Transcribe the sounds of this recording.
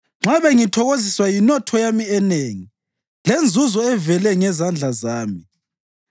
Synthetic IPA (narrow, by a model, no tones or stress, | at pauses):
ŋ͡ǁaβɛŋitʰɔɣoziswajinɔtʰɔjamiɛneːŋi | lend͡zʱuzɔɛvɛlɛŋɛzand͡ɮʱazaːmi